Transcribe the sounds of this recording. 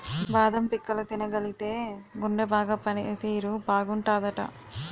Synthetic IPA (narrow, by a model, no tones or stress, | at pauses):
baːd̪ɐmpikːɐlɐt̪inɐɡɐlit̪e̞ːɡuɳɖebaːɡaːpɐnit̪iːɾubaːɡuɳʈaːd̪ɐʈɐ̰